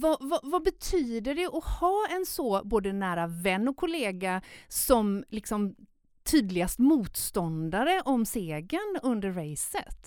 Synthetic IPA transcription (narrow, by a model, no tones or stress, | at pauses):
vavavabɛt̪ʰyːd̪əɖɛʔɔhɑːɛnsɔboːd̪ənːæːɾavɛnːɔkʰːʊleːɡasɔmlɪksɔm | t̪ʰyːd̪lɪɡast̪muːt̪st̪ɔnd̪aɾəʔɔmseːɡənɵnd̪əɾɾɛjsət̪